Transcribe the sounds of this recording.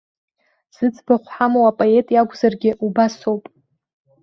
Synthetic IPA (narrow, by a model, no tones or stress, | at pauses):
z̥ɨt͡sʰʼbaχʷħamowapʼoe̞tʼjaɡʷzarɡʲɪʔubaso̞wpʼ